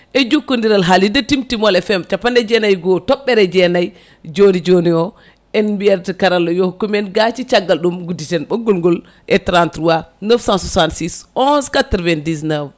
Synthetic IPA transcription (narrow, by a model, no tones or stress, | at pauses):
ʔɛd͡ʒukːundiɾalɦalidatimtimɔlɛfɛmt͡ʃapːandɛd͡ʒɛnajɡɔtɔɓːɛɾɛd͡ʒɛnaj | d͡ʒonid͡ʒoniɔ | ɛnbiɛɾtikaɾalɔjohkːumɛnɡat͡ʃit͡ʃaɡːalɗumɡuditɛnɓɡulŋɡul | ʔɛtɾantɾuwanəfsãnsasantsisɔnskatɾvɛndisnɛv